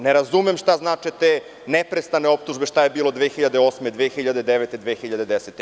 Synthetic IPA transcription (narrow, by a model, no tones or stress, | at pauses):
neɾazumemʃt̪aznaːt͡ʃet̪e | nepɾest̪aneo̞p̚t̪uʒbeʃt̪ajebiːlˠo̞d̪ʋexiʎad̪eoːsmed̪ʋeːxiʎad̪ed̪eʋet̪ed̪ʋexiʎad̪ed̪eset̪ːe